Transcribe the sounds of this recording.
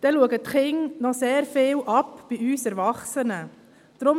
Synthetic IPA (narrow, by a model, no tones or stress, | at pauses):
d̪̥ɛluəɡətχɪŋnɔseːɾfɪːlʔɑpb̥iyːsɛɾʋɑχsənə | d̥ɾʊ